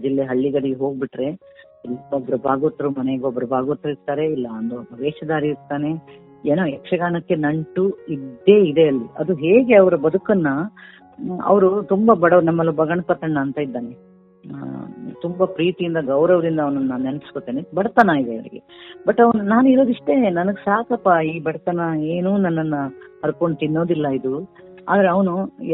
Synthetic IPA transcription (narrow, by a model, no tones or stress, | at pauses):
d͡ʒilːeɦɐɭːiɡɐɽiɡeɦo̞ːɡ̚biʈɾe̞ | ɐlobɐɾɐbʱaːɡot̪ːɐɾumɐneɡɔbːɐɾɐbʱaːɡot̪ːɾuiɾt̪aːɾe̞ilːɐːnd̪ubʱɐʋeːʃɐd̪aːɾiiɾt̪ːaːne̞ | eːnoːɛkʂɐɡaːnɐkːe̞nɐɳʈuid̪ːe̞id̪e̞ɐlːiɐd̪uɦeːɡe̞ɐʋɐɾɐbɐd̪ukɐnːɐ | ɐ̰ʋɐɾut̪umbɐbɐɽɐnɐmːɐlːubɐɡɐɳɐpɐt̪ːɐɳːɐːnt̪ɐid̪ːaːne | t̪umbɐpɾiːt̪ijind̪ɐɡɐwɾɐʋɐɾind̪ɐːʋɐnɐnːaːnnenɐpiskot̪ːeːnebɐɽɐt̪ɐnaid̪eʋɐɭḭɡḛbɐʈːɐʋɐnunaːnuiɾo̞ːd̪iʂʈe̞nɐnɐɡesaːkɐpːaiːbɐɽɐt̪ɐnɐeːnuːnɐnːɐnːɐɐɾukoɳɖut̪inːo̞ːd̪ilːɐid̪u | a̰ːd̪ɐɾeɐʋɐnu